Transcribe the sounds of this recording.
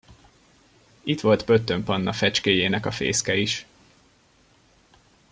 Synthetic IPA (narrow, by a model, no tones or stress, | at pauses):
it̪ʋo̞lt̪bø̞t̪ːø̞mpɒnːɒfɛt͡ʃkeːjeːnɛkɒfḛːskɛiʃ